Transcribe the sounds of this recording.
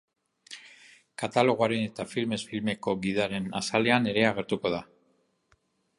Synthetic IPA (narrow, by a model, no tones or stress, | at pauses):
kat̪alo̞ɣ̞uaɾe̞ne̞t̪afilme̞sfilme̞ko̞ɡiðaɾe̞na̰sale̞ane̞ɾe̞aɣe̞ɾt̪uko̞ð̞a